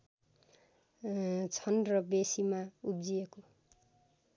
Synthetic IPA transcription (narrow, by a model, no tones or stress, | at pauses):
t͡sʰʌnrʌbesimaubd͡zieko